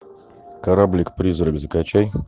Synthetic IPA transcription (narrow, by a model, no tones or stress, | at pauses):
kaɾablʲɪkpɾʲizɾəɡzəkat͡ɕæj